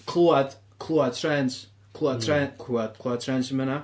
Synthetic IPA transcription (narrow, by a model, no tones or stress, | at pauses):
kʰluad̪ | kʰlˠuatʰɹɛns | kʰlˠuad̚tʰɾɛnkʰuad̪̚kʰluad̚tʰɹɛnsəməna